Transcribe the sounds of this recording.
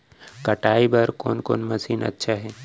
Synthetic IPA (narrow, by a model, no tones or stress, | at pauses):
kɐʈaːibɐɾko̰ːnko̰ːnmɐsiːnɐ̰tːʃʰaɦɛː